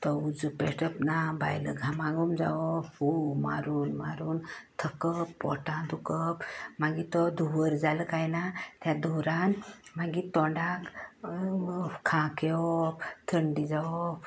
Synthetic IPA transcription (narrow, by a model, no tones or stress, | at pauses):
t̪ɔud͡zupeʂʈəpnaba̰jlə̰ɡʱamaɡumd͡za̰ɔfuma̰ɾuːnmaɾuːnt̪ʰəkəpːɔʈãd̪ukəpmaɡit̪ɔd̪ʱuʋəɾd͡zaləkajnat̪jad̪ɔɾanmaɡit̪ɔɳɖak | kʰãkeɔpt̪ʰəɳɖid͡zaɔp